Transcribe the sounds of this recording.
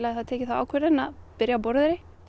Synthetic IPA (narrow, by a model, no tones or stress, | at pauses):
laθaðt̪ʰɛːcɪθawa̰ːwkʰvɛɾɪnaðpɪɾjapɔɾðɪɾɪ